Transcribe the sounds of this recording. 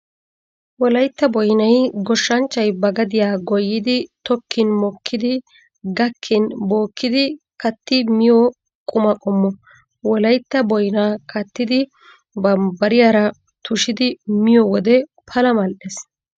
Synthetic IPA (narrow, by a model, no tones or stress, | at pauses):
wɔlɐjt̪ːɐbɔjnɐjɡɔʃːɐnt͡ʃːɐjbɐɡɐd̪ɪjaːɡɔjːɪd̪ɪt̪ɔkʰːɪnmɔkʰːɪd̪ɪ | ɡɐkʰːɪnbo̞ːkːɪd̪ɪ | kɐt̪ːɪmɪjɔ | kʼʊmɐkʼɔmːɔ | wɔlɐjt̪ːɐbɔjnaːkɐt̪ːɪd̪ɪ | bɐmbɐɾɪjaːɾɐ | t̪ʊʃɪd̪ɪmɪjɔwɔd̪ɛpʰɐlɐmɐlɗes